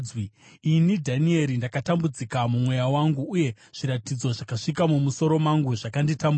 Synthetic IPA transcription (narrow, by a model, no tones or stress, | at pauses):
wiinidʱanie̞ɾindakatambud͡zikamumwe̞jawaŋɡuːje̞ | ʐ̥iɾatid͡zo̞ʐakaʂikamumuso̞ɾo̞maŋɡuʐakanditambu